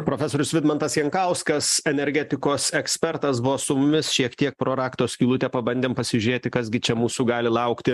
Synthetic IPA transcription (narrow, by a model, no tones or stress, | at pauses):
pɾoːfʲɛsoːɾʲʊsʋʲɪd̪mɐnt̪ɐsjɛŋkɐʊskɐsɛnʲɛɾʲɡʲɛt̪ʲɪkoːsɛksʲpʲɛɾt̪ɐsbʊʋoːsʊmʊmʲɪsʃʲiɛkt̪ʲiɛk̚pɾoːɾɑːkt̪oːsʲkʲiːlˠʊt̪ʲɛpɐbɐnd̪ʲeːmpɐsʲɪʒʲʊɾʲeːt̪ʲɪkɐzɡʲɪt͡ʃʲɛmuːsuːɡɑːlʲɪlˠɐʊkt̪ʲɪ